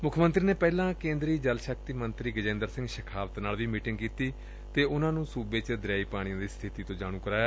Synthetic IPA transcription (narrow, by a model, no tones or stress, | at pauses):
mʊkʰmə̃nt̪ɾiːneːpɛːlãːkẽːnd̪ɾiːd͡ʒəlʃək̚t̪iːmənt̪ɾiːɡəd͡ʒẽːnd̪əɾsɪ̃ŋɡʃəkʰaːʋət̪naːlʋiːmiːʈɪ̃ŋɡkiːt̪iː | t̪eːʔʊnãːnũːsuːbeːt͡ʃd̪ɾaːiːpaːɽ̃ĩãːd̪iːst̪ʰɪt̪iːt̪õːd͡ʒaːɽ̃ũːkəɾaːjaː